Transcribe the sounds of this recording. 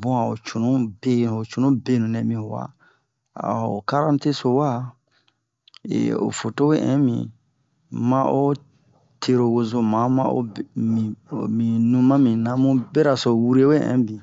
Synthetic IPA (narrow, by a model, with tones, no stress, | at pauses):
bɔ̃˦a˨o̰˨t͡ʃu˨nũ˦be˦˨o˨t͡ʃu˨nũ˦be˦nũ˨nɛ̃˨mĩ˦ho˨wa̰˦ | a̰˨o̰˨ka˦ɾã˦te˦so˨wa˦ | ḛ˨o̰˨fo˨to˦we˦ʔɛ̰̃˦mḭ̃˨ | mã˦ʔo˦ | tʰe˨ɾo˨wo˧zo˨mã˨˦mã˦o̰˦mĩ˨mĩ˨nũ˦mã˦mĩ˨nã˨mũ˦be˦ɾa˨so˨wu˦ɾe˦we˦ʔɛ̰̃˨˦bĩ˨